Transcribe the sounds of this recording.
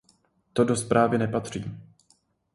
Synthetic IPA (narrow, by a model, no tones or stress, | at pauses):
t̪o̞do̞spɾʔaːvɪnɛpat̪r̝̥iː